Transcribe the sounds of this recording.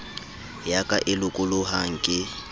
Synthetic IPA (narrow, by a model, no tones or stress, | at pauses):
jakʼaʔɪlʊkʼʊlʊɦaŋ̩kʼɪ